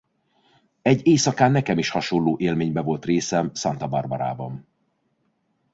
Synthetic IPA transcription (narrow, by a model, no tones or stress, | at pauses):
ɛɟːeːsɒkaːnːɛkɛmiʃhɒʃonlːoːʔeːlmeːɲbɛvo̞lt̪reːsɛmsɒnt̪ɒbɒrbɒɾa̰ːbɒn